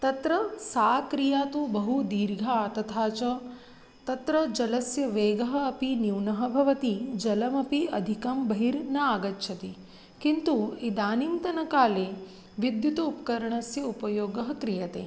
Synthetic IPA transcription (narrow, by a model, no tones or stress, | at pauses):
t̪ɐt̪ɾɐsaːkɾijaːt̪ubɐɦud̪iːɾɡʱaːt̪ɐt̪ʰaːt͡ʃɐ | t̪ɐt̪ɾɐd͡ʒɐlɐsjɐʋeːɡɐɦɐ̆ːpiniwnɐɦɐbʱɐʋɐt̪id͡ʒɐlɐmɐpiɐd̪ʱikɐmbɐɦiɾnɐaːɡɐtːʃʰɐt̪i | kint̪uid̪aːnint̪ɐnɐkaːleː | ʋid̪jut̪ɐupkɐɾɐɳɐsjɐupɐjoːɡɐɦɐkɾijɐt̪ḛː